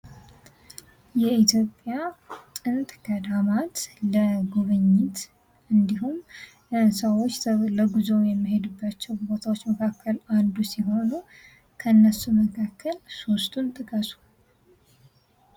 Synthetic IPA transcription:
jɛit̪ʰjo̞pʼjatʼɨnt̪ʼɡ̥əd̪amat̪ləɡuβɨɲːɪt̪ | ʔɨnd̪iɦum | səwot͡ʃːləɡuzowjɛmːiɦe̞d̪ubːat͡ʃːɛwbot̪ʰawot͡ʃːməkʰakːəland̪usiɦo̞nu | kʰəɨnːəsːuməkʰakʰːəlsost̪ʰʼunt̪ʼɨkʼəsu̥

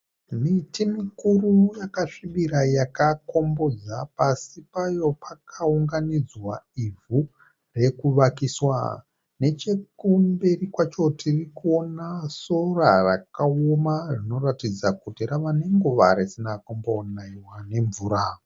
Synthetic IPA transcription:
mitimikurujakaʂiɓiɾajakako̞mbo̞d͡zapasipajo̞pakʰauŋɡanid͡zwaivʱu | re̞kuʋakiswa̰ | ne̞t͡ʃe̞kumberikwat͡ʃo̞tʰirikuo̞naso̞rarakaomaʐino̞ratid͡zakutiraʋaneŋɡuʋa̰ɾesinakombonaiwane̞ɱvuːɾa

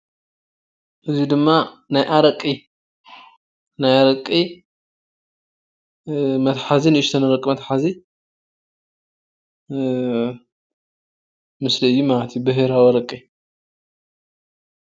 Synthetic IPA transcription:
ʔɨzid̪ɨmːanajʔaɾɐkʼːi | najaɾɐkʼːi | mɐt̪ħazinɨːʃt̪ʰɐnɨɾɐkʼimɐt̪ħazi | mɨsliɨjːumalɐt̪ʰjubɨɦɨɾawiɾɐkʼːi

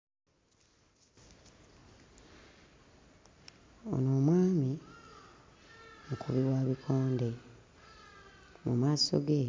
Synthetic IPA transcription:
o̞̰noːmwaːmi | mukuβiwaːβikʰoːnde | mumaːso̞̰ɡe

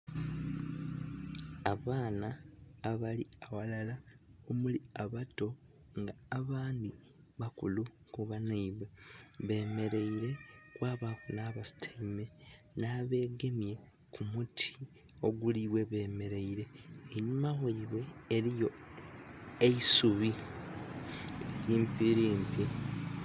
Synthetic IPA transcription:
aβaːnaːβaliawalalaomuliaβato̞ | ŋɡaːβaːndi | βakulukuβanaiβwe̞βe̞ːme̞ɾe̞iɾe̞kwaːβakunaːβasi̥tʰaime̞naːβe̞ːɡe̞mje̞ | kʰumutʰi̥ | o̞ɡuliβwe̞βe̞ːme̞ɾe̞iɾe̞ːɲumaweiβwe̞ːɾijo̞ | eisuβi | eɾjiːmpiɾiːmpje

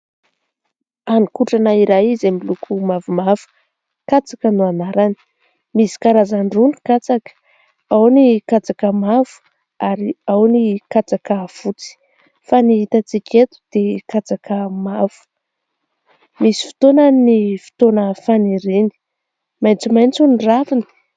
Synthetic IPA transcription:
anikuʈ͡ʂanaiɾajizemilukʰumavumav̥u̥ | kat͡sakənuanaɾani̥ | misi̥kaɾazaɳɖ͡ʐuni̥kat͡sakə̥ | awnikat͡sakəmav̥u̥ | aɾiawnikat͡sakafut͡si̥ | faniit̪at͡sikʲʰet̪u̥d̪̥ekat͡sakʰəmav̥u̥ | misi̥fi̥t̪onanifi̥t̪onəfaniɾeni̥ | majnt͡sumajnt͡sunravini̥

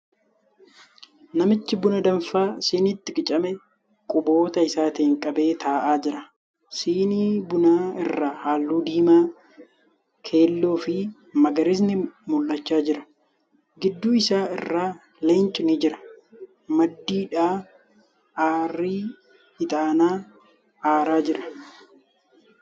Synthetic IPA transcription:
nɐmɪt͡ʃːɪbʊnɐd̪ɐɱfaːsɪːnɪt̪ːɪkʼɪt͡ʃʼɐmɛ | kʼʊbo̞ːt̪ɐɪsaːt̪ɪhɪŋkʼɐbe̞ːt̪ʰaːʔaːd͡ʒɪɾɐ | siːniːbʊnaːɪrːaːhaːlːuːd̪iːmaː | kʰe̞ːlːoːfɪ | mɐɡɐɾɪs̬nɪmʊlːɐt͡ʃːaːd͡ʒɪɾɐ̥ | ɡɪd̪ːuːɪsaːɪ̰rːaː | leːnt͡ʃʼɪnɪd͡ʒɪɾɐ̥ | mɐd̪ːiːᶑaː | ʔaːrːiː | hɪt̪ʼaːnaː | ʔaːɾaːd͡ʒɪɾɐ̥

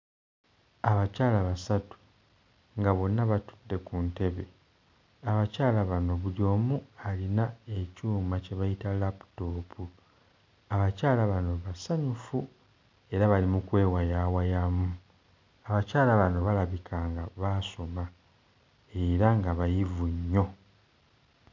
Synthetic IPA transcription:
aβacaːlaβasatu̥ | ŋɡaβo̞nːaβatu̥dːe̞kunte̞βe̞ | aβacaːlaβano̞βulio̞ːmualinaecuːmace̞βajitalapu̥to̞ːpʰu | aβacaːlaβano̞βasaɲufu | e̞ɾaβalimukwe̞ːwajawajamu | aβacaːlaβano̞βalaβikʰaŋɡaβaso̞ma | e̞ɾaŋɡaβajivuɲːo̞

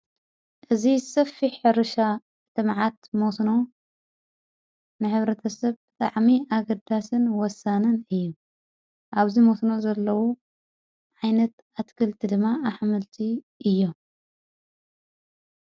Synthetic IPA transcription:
ʔɨzisɐfːiħɨɾɨʃa | t̪ɨmʕat̪mosno̞ | nɨħɨβɾɐt̪ʰɐsɐβ | t̪ʼa̰ʕmiʔaɡɐd̪asɨnwɔsanɨnɨjːu | ʔaβzimosno̞zɐlːɐwu | ʕajnɐt̪ | at̪kʰɨlt̪ʰid̪ɨmːaaħmɨlt̪ʰi | ʔɨjːo

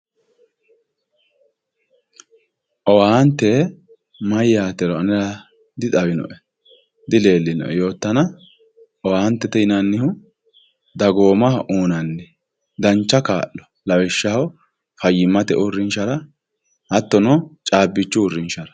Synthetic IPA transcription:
ʔɔwaːnt̪ːɛ | mɐjjaːt̪ɛɾɔɐnɛɾɐ | d̪ɪt̪ʼɐwɪnɔ̰ʔɛ | d̪ɪle̞ːlːɪnɔ̰ʔɛjo̞ːt̪ːɐnɐ | ʔɔwaːnt̪ːɛt̪ɛɪnɐnːɪhʊ | d̪ɐɡo̞ːmɐhʔuːnɐnːɛ | d̪ɐnt͡ʃːɐka̰ːʔːɔ̥ | lɐwɪʃːɐhw | fɐjːɪmːɐt̪ɛ̰ʔʊrːɪnʃɐɾɐ | hɐt̪ːɔnɔt͡ʃʼaːbːɪt͡ʃːʊʊrːɪnʃɐɾɐ

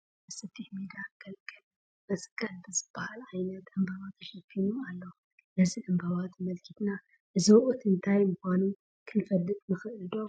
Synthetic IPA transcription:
bɨsɨt̪ʰːiħmid̪aɡ̥ɐlkʼɨl | mɐskʼɐlbɨzɨb̥ahalʕajnɐt̪ɨmbɐβat̪ʰːɐʃɐkʰːiɾumalːo | nɐzid̪ɨmbɐβat̪mɐlkʰit̪na | ʔɨzɐwʔot̪ɨnt̪ʰajmɨxʷanu | kʰɨnfɐlːɨt̪ʼmɨxʔɨd̪o

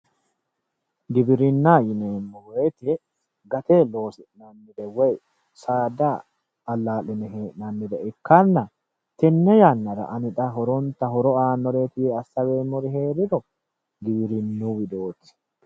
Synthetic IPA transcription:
ɡɪbɪɾɪnːaːjɪneːmːɔwɛjt̪ɪ | ɡɐt̪elo̞ːsɪʔnɐnːɪd̪ɛwɛj | saːd̪aː | lːaːlɪnɛɦeːʔnɐnːɪd̪ɛɪkːanːɐ | t̪ɛnːɛjanːɐɾɐ̰ʔɐnɪᶑ̪ɐɦɔɾɔnt̪ɐɦɔɾɔaːnːɔɾet̪ɪjeɐsːɐweːmːɔɾɪhe̞ːɾɪd̪ɔ | ɡ̪ɪbɪɾɪnːuːwɪd̪o̞ːt̪ɪ̥

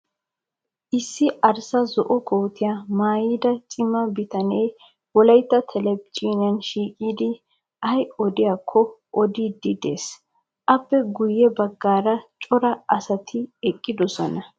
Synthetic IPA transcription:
ʔɪsːɪʔɐɾsɐzɔʔɔkʰowt̪ɪjaːmaːjiːd̪ɐt͡ʃʼɪmːɐbɪt̪ɐnej | wɔlɐjt̪ːɐt̪ʰɛlɛpt͡ʃʼiːnɪjɐnʃiːkʼiːd̪ɪ | ʔɐjɔd̪ɪjaːkʰːɔʔɔd̪id̪ɪd̪ḛːs | ʔɐpːɛɡʊjːɛbɐɡːaːɾɐt͡ʃʼɔɾɐɐsɐt̪ʰɪɛkʼːɪd̪ɔsɔnɐ

